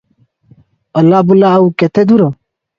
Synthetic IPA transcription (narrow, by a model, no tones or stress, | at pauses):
əlːaːbulaɐuket̪ʰed̪uɾo